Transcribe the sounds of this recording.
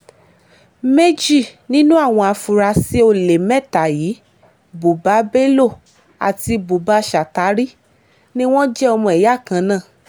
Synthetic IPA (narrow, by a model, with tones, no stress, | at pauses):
me˦d͡ʒi˦˨nĩ˦nũ˦a˦˨w̃ɔ̃˧a˧fu˨˧ɾa˧si˦o˧le˨mɛ˦˨ta˨jiː˨˦ | bo˨ba˨˦be˦lo˦˨ | a̰˨ti˧bo˨ba˧˦ʃa˨ta˨˦ɾi˦ | nĩ˦w̃ɔ̃˦d͡ʒɛ˦ɔ˧mɔ̃˧ɛ˨ja˦˨kã˧nãː˦˨